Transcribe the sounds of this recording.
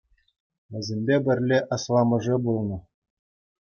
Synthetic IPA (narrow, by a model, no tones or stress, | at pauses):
ʋʲɘ̆zʲemʲbʲebʲɘ̆rʲlʲeʔɑslˠɑmɤ̆ʐɘbulˠnɤ̆